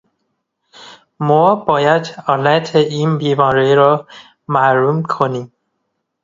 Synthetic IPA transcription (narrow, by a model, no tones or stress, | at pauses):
mɔːbɒːjæd̪ɒlæt̪ʰeiːnbiːmɒːɾeɾɒː | mæɾuːmkʰonim